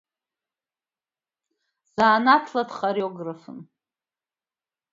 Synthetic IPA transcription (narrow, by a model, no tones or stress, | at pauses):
z̥aːnatʰlatχaɾjoɡrafɨ̰n